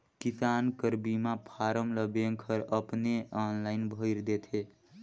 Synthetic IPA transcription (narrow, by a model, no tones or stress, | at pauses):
kisankəɾbimãpʰaɾəmləbeŋkʰəɾəpneɔnlaɪnbʱəɪɾd̪et̪ʰe